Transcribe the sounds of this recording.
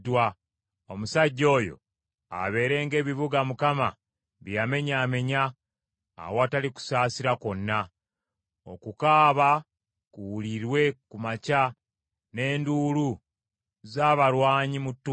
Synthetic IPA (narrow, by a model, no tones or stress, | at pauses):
dwa | o̞musaɟːo̞ːjo̞̰ | a̰βe̞ːɾe̞ːŋɡe̞ːβiβuɡamukama̰ | βjame̞ɲaːme̞ɲa̰ː | woaːtaliku̥saːsiɾako̞nːa | o̞̰kukaːβa | kuwuliɾwe̞kumaca | ne̞ːnduːlu | zaːβaɾwaːɲimutːu